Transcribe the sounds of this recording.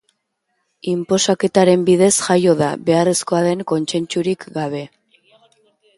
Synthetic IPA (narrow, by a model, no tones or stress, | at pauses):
impo̞sake̞t̪aɾe̞mbiðe̞sʝajo̞ða̰βe̞are̞sko̞aðe̞ŋko̞nt͡se̞nt͡ʃuɾikɡaβ̞e̞